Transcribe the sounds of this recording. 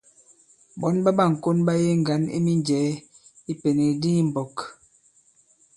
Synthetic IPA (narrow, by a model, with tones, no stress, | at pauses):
bɔ˨˦nba˦ba˦˨ŋ̩˨ko˦nba˦je˦ŋ˨ɡa˨˦nḭ˦mi˦nd͡ʒɛː˨˦ | i˦pe˨ne˨di˦m̩˨bɔ˨k